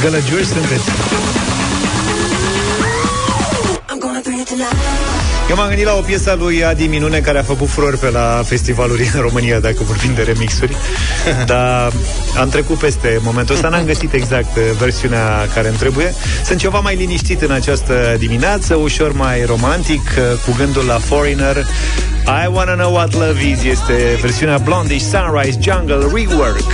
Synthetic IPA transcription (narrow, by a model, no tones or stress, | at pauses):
ɡələd͡ʒursɨnt̪e̞t̪sʲ | jewmamɡɨnd̪ilao̞pje̞salujad̪iminune̞kaɾeafəkut̪fuɾo̞rʲpe̞lafe̞st̪ivalulʲɨnro̞mɨnijad̪akəvorbimd̪e̞ɾe̞miksurʲ | d̪a | a̰mt̪ɾe̞kut̪̚pe̞st̪e̞mo̞ment̪uəst̪anamɡəsit̪e̞ɡzakt̪ve̞rsiunea | kaɾemt̪ɾe̞buje̞ | sɨ̃nt̪̚t͡ʃe̞vamajliniʃt̪it̪ɨnat͡ʃast̪əd̪imineat̪səuʃo̞rmajɾo̞mant̪ikʰ | kuɡɨnd̪ulːafo̞ɾinər | ajwanɨnəwat̪ləvizje̞st̪e̞ve̞rsiuneablo̞nd̪iʃʲsanrajsd͡ʒaŋɡəlriwərk